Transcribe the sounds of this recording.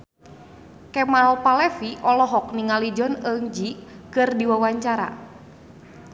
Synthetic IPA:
kɛmalpalɛfiʔɔlɔɦɔk̚niŋalid͡ʒɔnəŋd͡ʒikɨrdiwawaɲt͡ʃaɾa̰

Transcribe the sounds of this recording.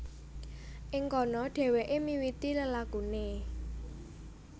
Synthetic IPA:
ʔɪŋkɔnɔɖ̥ɛ̤weʔemiwit̪iləlakune

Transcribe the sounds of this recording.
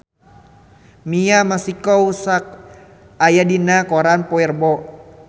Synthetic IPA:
miamasikɔusak̚ | ajadinakɔɾanpɔɛrbɔ

